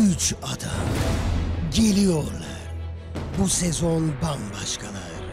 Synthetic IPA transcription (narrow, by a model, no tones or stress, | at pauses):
yt͡ʃad̪a̰m | ɟelijoɾlˠa̰ɾ | busɛzonbambaʃkʰanaɾ